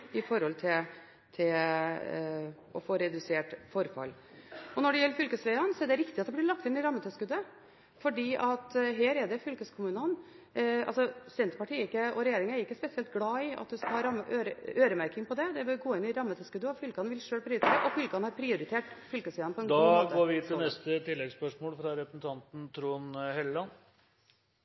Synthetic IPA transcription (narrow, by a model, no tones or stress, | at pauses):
ɪfɔɾhɔlt̪ʰɪ | t̪ʰɪl | ɔfoːɾɛd̪ʉseːʈfɔɾfɑ̰l | ɔnɔɖɛjɛlːəfʏlkəsʋæɪɑnsɔɛɖɛɾɪkt̪ɪɑt̪d̪ɛblɪɭɑk̚t̪ɪnːɪɾɑmːət̪ʰœskʉd̪ːə | fɔɖiːʔɑt̪ɦeːɾɛɖɛfʏlkəskʰʊmʉːnən | ɑ̰lsɔsɛnt̪ɾpɑʈʰiːɛɾɪkːəɔɾɛjeːɾɪŋæɾɪkːəspɛsɪɛlt̪ɡlɑːɪɑ̰t̪d̪ɛskɑhɑːɾɑmːəʔøːɾəøːɾəmæɾkɪŋpʰɔd̪ɛd̪ɛʋɪlɡoːɪnːɪɾɑmːət̪ʰɛskʉd̪ːəɔfʏlkəhɑnəʋɪlʂøːlpʰɾɪʊɾɪt̪ʰeːɾəʔɔfʏlkəhɑnhɑɾpʰɾɪʊɾɪt̪ʰeːʈfʏlkəsʋɛːɑnəpɔɛnɡd̪ɑɡ̪oːɾʋɪt̪ʰɪlnɛst̪ət̪ʰɪlːɛɡspœʂmoːlfɾɑɾɛpɾəsn̩t̪ʰɑnt̪n̩t̪ʰɾuːnhɛllɑn